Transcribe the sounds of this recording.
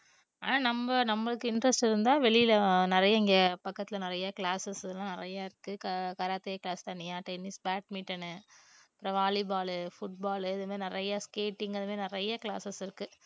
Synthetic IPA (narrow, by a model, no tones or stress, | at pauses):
a̰ːnãːnɐmbɐnɐmːɐɭɯkːɯɪndɾɐsʈɪɾɯnd̪ãːʋɛɭɪjɪlɐnɪɾɐjɐɪŋɡepɐkːɐt̪ːɪlɐnɪɾɐjɐkɪɭaːsɐsɪðɯlãːnɪɾɐjaːɪɾɯkːɯkɐkɐɾaːt̪ːɪjɐkɭaːst̪ɐnːɪjãːʈɐɪniːsbaːʈ̚miːʈːɐnɯpɪɾɐʋaːlɪbaːlɯfʊʈ̚baːlɯɪðɯmeːnɪɾɐjɐskeːʈːɪŋɡɐðɯmeːnɪɾɐjɐkɭa̰ːsɐsɪɾɯkːɯ